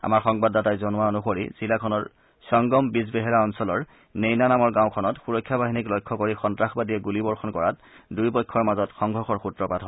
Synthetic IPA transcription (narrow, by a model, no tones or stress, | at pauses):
a̰maɹxɔŋbadːatajzɔnʊwaonuxoɹḭz̥ilakʰɔnɔɹ | sɔŋɡɔmbisbeɦɛɹaɔnsɔlɔɹ | nejnanamɔɹɡãʊ̃kʰɔnɔtxuɹɔkʰːjabaɦiniklɔjkʰːɔkoɹixɔntɹaxbadijɛɡulibɔɹxɔnkɔɹat | dujpɔkʰːɔɹmazɔtxɔŋɡʱɹɔxɔɹxutɹɔpatɦɔ